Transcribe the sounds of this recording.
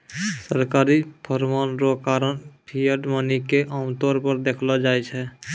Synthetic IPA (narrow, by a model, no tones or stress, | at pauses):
səɾkaːɾipʰəɾmanɾokaːɾənpʰijəɖmənikeʔamt̪oːɾpəɾd̪eːkʰlad͡ʒaːjt͡ʃʰɛ